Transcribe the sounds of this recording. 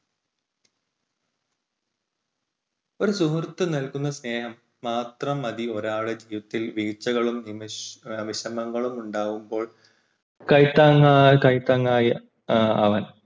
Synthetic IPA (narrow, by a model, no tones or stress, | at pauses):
o̞ɾusuɦrt̪ːɨnɐlkunːɐsne̞ːɦɐmːaːt̪rɐmɐðio̞ɾaːɭɨd͡ʑiːʋɐt̪ːilʋiːt͡ɕːɐɣɐɭumni | ʋiɕɐmɐŋːɐɭumuɳɖaːɣumbo̞ːɭ | kɐjt̪ːaŋakɐjt̪ːɐŋːaːjɐ | ɐʋɐn